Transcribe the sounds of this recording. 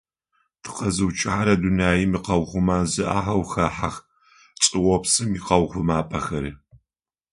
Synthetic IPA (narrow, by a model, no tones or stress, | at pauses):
tʰɨ̥qɐzɨwt͡ʃʼɪħaɾɐdunaːjimiːqɐwʁʷʊmaːzɨʔaːɦɐwxɐħax | t͡sʼɨwɔpsɨmiqɐwχʷʊmaːpʼɐxɐɾiː